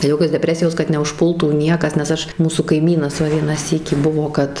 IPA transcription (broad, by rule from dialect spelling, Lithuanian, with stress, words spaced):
ˈjoːkʲoːs dʲɛˈpʲrʲæːsʲɪjoːs kɐt nʲɛʊʃˈpʊlˠtuː ˈnʲiɛkɐs nʲɛs ˈɐʃ ˈmuːsuː kɐɪˈmʲiːnɐs ˈʋɐ ˈʋʲiɛnɑː ˈsʲiːkʲiː ˈbʊʋoː kɐt